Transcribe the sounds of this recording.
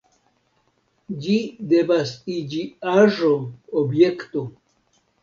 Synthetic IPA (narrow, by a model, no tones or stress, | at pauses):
d͡ʒide̞vasid͡ʒiaʒoobjekt̪o